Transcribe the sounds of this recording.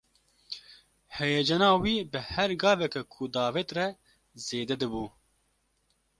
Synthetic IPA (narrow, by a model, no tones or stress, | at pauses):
hɛjɛd͡ʒɛnɑːwiːbɨhɛɾɡɑːvɛkɛkʰud̪ɑːvet̪rɛ | zeːd̪ɛd̪ɨbuː